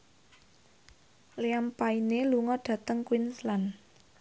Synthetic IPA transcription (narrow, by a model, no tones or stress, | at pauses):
leampaineluŋɔɖ̥ä̤t̪əŋkwinslan